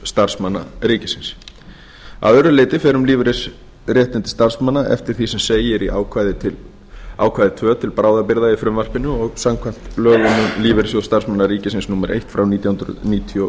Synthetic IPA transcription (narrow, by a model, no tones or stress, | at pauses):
st̪aɾ̥smanːa̰riːcɪsɪns | a̰ðœɾʏleːt̪ɪfɛːɾʏmliːvɾɪs | rjɛht̪ɪnt̪ɪ̥st̪aɾ̥smanːaɛ̰ft̪ɪɾ̥θisɛmseːjɪɾiʔa̰wkʰajðɪ | a̰ːwkʰvajðɪt̪ʰvœːt̪ʰɪlpɾaːwðapɪɾðaifɾʏmvar̥pɪnːʏɔɣsamkʰvam̥t̪lœːlʏnʏmliːvɪɾɪsɔst̪aɾ̥smanːaɾiːcɪsɪnsnuːmɛɾʔḛjht̪fɾawniːt̪jahʏnɾʏ̰ðniːt̪ʰjɔ